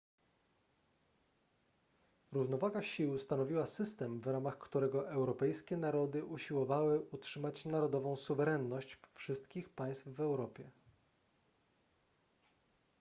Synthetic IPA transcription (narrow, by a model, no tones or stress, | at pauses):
ɾuvn̪ɔvaɡaɕiwst̪anɔvʲiwasɘst̪ɛmvɾamaxkt̪uɾɛɡɔʔɛwɾɔpɛjskʲɛnaɾɔd̪ɘʔuɕiwɔvawɘʔutʂɘmat͡ɕnaɾɔd̪ɔvɔ̃w̃suvɛɾɛnːɔɕt͡ɕfʂɘst̪kʲixpaj̃st̪fvɛwɾɔpʲjɛ